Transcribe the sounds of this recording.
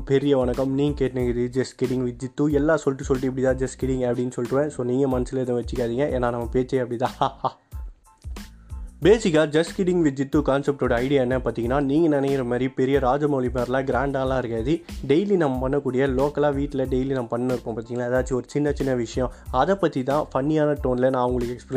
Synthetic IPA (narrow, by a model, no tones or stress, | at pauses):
pɛɾɪjɐʋɐnɐkːɐmniːŋɡɐkeːʈneŋɐðɯd͡ʒɛskɪɽɪŋɡʋɪd͡ʒɪt̪ːuɛlːaːsɔlʈːɯsɔlʈːɯɛp̬ːɐɽɪt̪ãːd͡ʒɐskɪɽɪŋɡɐpːɽɪnːɯsɔlʈɯʋẽːsoːniːŋɡɐmɐnɐsɯlɐɪðõːʋɐt͡ʃːɯkːaːðiːŋɡɐʔeːnːaːnɐmːɐpeːt͡ʃːɐjɐpːɐɽɪt̪ãːhaːhaː | beːsɪkːaːd͡ʒɐskɪɽɪŋɡʋɪd͡ʒɪt̪ːukaːnsɛp̚ʈoːɽɐɐɪɽɪjaːɛnːɐpaːɾt̪iːŋɡɐnːaːniːŋɡɐnɪnɐkɪɾɐmaːd̪ɾipɛɾɪjɐɾaːd͡ʒɐmɐːɭimaːɾɐlãːɡɾaːɳɖaːlãːɪɾɯkːaːðiɖɛjlinɐmːɐpɐnːɐkːuːɽɪjɐloːkɐlaːʋiːʈːɪlɐɖɛjlinɐmːɐpɐɳːɐnɪɾɯpːõːpaːt̪iːŋɡɐnaːɛðaːt͡ʃːiɔɾɯt͡ʃɪnːɐt͡ʃɪnːɐʋɪʂɐjɔ̃ɐðɛpːɐt̪ːit̪ãːpɐɳːɪjaːnɐʈoːnɪlɐnãːɐʋʊŋɡɐɭɯkːɛkspɾ